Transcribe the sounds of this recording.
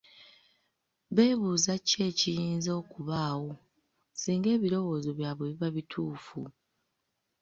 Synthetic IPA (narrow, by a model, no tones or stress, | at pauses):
βe̞ːβuːzace̞ːcijiːnzo̞ːkuβaːwo̞ | siːŋɡe̞ːβilo̞wo̞ːzo̞βjaːβuβiβaβitʰuːfu